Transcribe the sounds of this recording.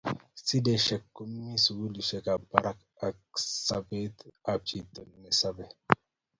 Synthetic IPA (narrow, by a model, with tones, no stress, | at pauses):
si˦de˨ʃɛ˨kːu˦mːi˦su˨ɡu˦li˨ʃe˨ka˨ba˨ɾa˦k | a˨ksa˨be˦t̪a˨b̚t͡ʃi˨t̪o˨nme˨sa˦bɛ˦